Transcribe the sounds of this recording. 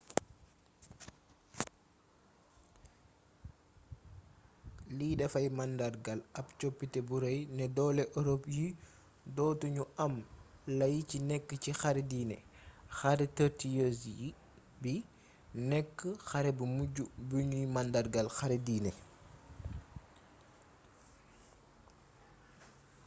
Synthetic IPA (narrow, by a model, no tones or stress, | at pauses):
liːdɛfɐjmandarɡɐlɐpt͡ʃopːitɛbuɾɐjnɛdɔːlɛʔɔɾopji | dɔːtuɲuʔɐm | lɐjcinɛkːəcixaɾɛdiːnɛ̰xaɾɛtəɾtijos | bi | nɛkːəxɐɾɛbumuɟubuɲujmɐndarɡɐlxaɾɛdiːnɛ